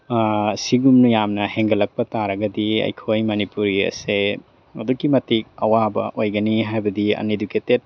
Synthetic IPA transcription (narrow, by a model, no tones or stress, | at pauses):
siɡumnujamnɐheŋɡɐlɐk̚pɐtaɾɐɡɐdiɐ̰jkʰojmɐnipuɾiɐ̰se | mɐ̰dukːimɐtik̚ɐwabɐ̰ʔojɡɐniɦajbɐdiɐ̰neduketet̚